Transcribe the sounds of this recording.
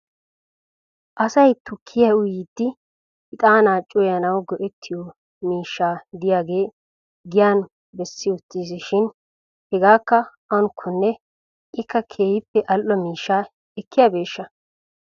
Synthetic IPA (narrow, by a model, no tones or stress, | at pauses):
ʔɐsɐjt̪ʊkʰːɪjɐʊjid̪ːɪ | ɪt̪ʼaːnaːt͡ʃʼːʊjɐnɐwɡɔʔɛt̪ʰːɪjɔ | miːʃːaːd̪ɪjaːɡe̞ː | ɡɪjaːn | bɛsːɪʊt̪ːiːs̬ɪʃɪn | hɛɡaːkːɐ | ɐnʊkʰːʊnːɛ | ʔɪkːɐkʰeːjɪpːɛʔɐlʔːɔmiːʃːaː | ɛkːɪjɐbe̞ːʃːɐ